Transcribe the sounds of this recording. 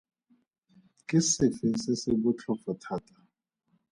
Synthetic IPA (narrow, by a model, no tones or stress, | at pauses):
kʼisifisɛseɓut͡ɬʰɔfɔtʰaːtʼḁ